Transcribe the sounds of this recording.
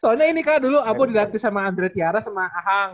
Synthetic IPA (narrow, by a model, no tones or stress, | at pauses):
sɔalɲainikaduluabodidat̪̚bisamaːnd̪ɾet̪iaɾasamaaɦaŋ